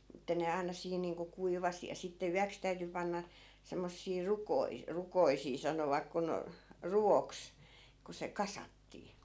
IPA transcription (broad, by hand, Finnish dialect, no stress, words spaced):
ĕtːæ ne ɑinɑ siːn niːŋko kuiʋɑsi jɑ sitːe yæks tæyty pɑnːɑ semːosːiː rukoi rukoisiː sɑnoʋɑk kun ruoks ku se kɑsɑtːiː